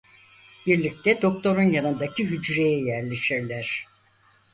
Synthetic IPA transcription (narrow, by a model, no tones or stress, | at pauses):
b̥iɾlʲic̚t̪ʰɛd̪o̞k̚t̪ʰo̞ɾunjanɯnd̪acʰiɦyd͡ʒɾejɛjæɾlʲeʃiɾlʲæɾ̥